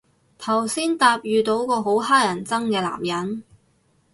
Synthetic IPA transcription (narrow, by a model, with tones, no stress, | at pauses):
t̪ʰɐ˨˩wsiː˥nt̪aː˧p̚jyː˨t̪o˧˥wkɔː˧ɦo˨˥wɦaː˥jɐ˨˩nt͡sɐ˥ŋkɛː˧la̰ː˨˩mjɐ˨˥n